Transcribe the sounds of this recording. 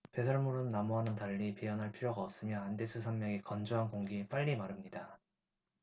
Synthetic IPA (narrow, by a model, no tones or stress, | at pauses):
pe̞sʰaɭmuɾɯnːamoɦanɯntaʎːipiʌnɦaɭpʰiɾjoɡaʌp̚s͈ɯmjʌande̞sʰɯsʰʌnmjʌŋekʌnd͡ʑuɦankoŋɡiep͈aʎːimaɾɯmɲida